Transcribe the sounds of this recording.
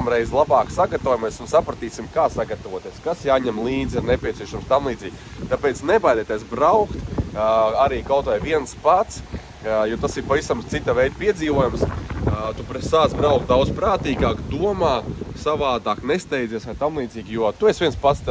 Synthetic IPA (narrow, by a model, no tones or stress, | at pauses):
mɾɛjzlˠabaːksaɡat̪auɔːjumajsunsapɾɐt̪iːsimkaːsaɡat̪aʋuɔt̪iɛskasjaːɲɛmlˠiːd̪ziɾnepʲiɛtsieɛʃamst̪amlˠiːd̪ziːɡt̪apeːt̪snebajd̪et̪iːsbɾawkt̪ | aɾiːkawt̪ʋajʋiɛnspat̪s | jut̪asiɾpaʋisamt̪sit̪avɛjd̪̚piɛd̪ziːʋuɔjamst̪upɾet̪saːsbɾaʊkt̪̚d̪awd̪zpɾaːt̪iːɡaːkd̪uɔmaːsaʋaːd̪aːknest̪ɛjd̪ziːsʋajt̪amlˠiːd̪ziːɡʲjuɔt̪uesʋiɛnspat̪st̪